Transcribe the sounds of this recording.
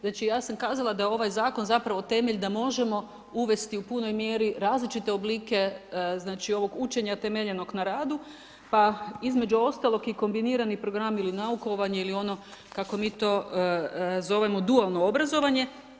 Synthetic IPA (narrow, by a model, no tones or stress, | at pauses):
znaːt͡ʃijaːsamkaːzalˠad̪ajeo̞ʋajzaːkonzapɾaʋo̞t̪e̞meʎd̪amo̞ʒe̞mo̞ | uʋe̞st̪iupuno̞jmje̞ːɾiɾaːzlit͡ʃit̪e̞obliːke̞znaːt͡ʃio̞ʋo̞ɡut͡ʃe̞ɲat̪e̞meʎe̞no̞ɡnaɾaːd̪u | paizme̞d͡ʒuo̞st̪alˠo̞kiko̞mbiniːɾanipɾo̞ɡɾamilinauko̞ʋaɲeilio̞no̞kako̞miːt̪o̞ː | zo̞ʋe̞mo̞d̪ualˠnoobɾazo̞ʋaɲe̞